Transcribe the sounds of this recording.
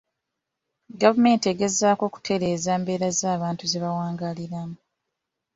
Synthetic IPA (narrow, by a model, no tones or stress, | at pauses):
ɡavume̞ːnteɡe̞zaːko̞ːku̥tʰe̞ɾe̞ːzaːmbe̞ːɾazaːβaːntuzeβawaːŋɡaliɾamu